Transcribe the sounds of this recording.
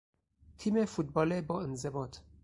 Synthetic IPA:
t̪ʰiːmefut̪̚bɒːlebɒːenzebɒːt̪ʰ

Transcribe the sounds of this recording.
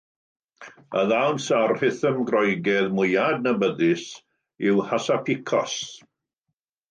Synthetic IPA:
ə̰ðawnsarhɪθəmɡrɔjɡɛðmʊjadnəbəðɪs | ɪwhasapʰɪkʰɔs

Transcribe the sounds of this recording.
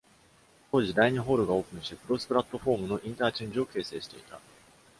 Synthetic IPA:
t̪oːʑid̪aiɲ̟iɦo̞ːɾɯ̟ɡao̞ːkɯ̟̃ɰ̃ɕipɯ̟ɾo̞sɨ̥pɯ̟ɾat̪ːo̞ɸo̞ːmɯ̟no̞ʔĩnt̪aːt͡ɕĩɲd͡ʑio̞ke̞ːse̞̰ːɕi̥t̪e̞̰it̪a̰

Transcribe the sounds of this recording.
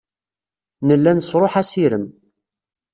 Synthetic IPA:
nəlːænsɾˤoħæsiɾəm

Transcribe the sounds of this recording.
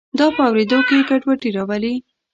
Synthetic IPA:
d̪ɑpəawɾed̪okekaʈwaʈiɾɑwəli

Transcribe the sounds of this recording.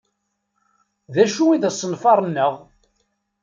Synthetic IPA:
ðæʃuiðæsˤːənfɑɾˤnːəʁ

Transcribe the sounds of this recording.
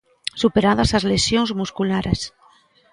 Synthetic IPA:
supeɾaðasazlesjonzmuskulaɾes

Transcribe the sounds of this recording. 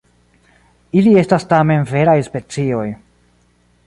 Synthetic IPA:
ilie̞stastame̞nve̞ɾajspe̞t͡sio̞j

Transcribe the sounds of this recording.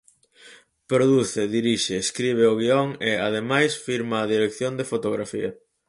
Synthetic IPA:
pɾoðuθeðiɾiʃeːskɾiβ̞eoɣiɔŋeað̞emajsfiɾmaːðiɾekθjond̪efot̪oɣɾafiɐ

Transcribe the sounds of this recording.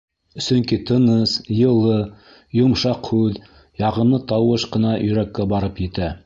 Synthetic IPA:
sɵ̆ŋkit̪ɤ̆nɤsjɤ̆lˠɤ | jŏmʃɑqhʉð | jɑʁɤ̆nɤt̪ɑwɤʃqɤ̆nɑjɵ̆ɾækːæbɑɾɤpjɘ̆t̪æ

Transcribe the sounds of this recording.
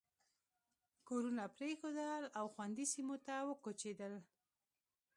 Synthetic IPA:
koɾunapɾexod̪əlawxwand̪isimot̪awəkot͡ʃed̪əl

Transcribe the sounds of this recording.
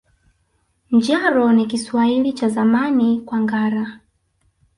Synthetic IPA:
nd͡ʒaɾɔnikiswailit͡ʃazamanikwaŋɡaɾa

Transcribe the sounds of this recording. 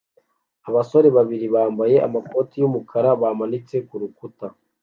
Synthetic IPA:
aβaso̞ɾe̞βaβiɾiβaːmbaje̞ʔa̰mako̞ːtijumukʰaɾaβaːmanit͡se̞kuɾukuta

